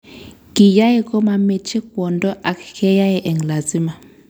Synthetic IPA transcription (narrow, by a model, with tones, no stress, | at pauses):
ki˨ja˦e˦kɔ˦ma˧me˦t͡ʃe˦k̚wɔ˨ndɔ˦ʔa˨kkʰɛ˦ja˦jɛ˨ʔɛ˨ŋla˨zi˦ma˨